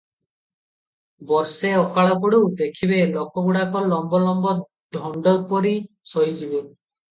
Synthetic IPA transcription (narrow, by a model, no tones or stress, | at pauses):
bɔɾseɔkaɭɔp̬ɔɽuwd̪ekʰibelokɔɡuɽakɔlɔmbɔlɔmbɔ | d̪ʱɔɳɖɔpɔɾi | sɔɦid͡ʒibe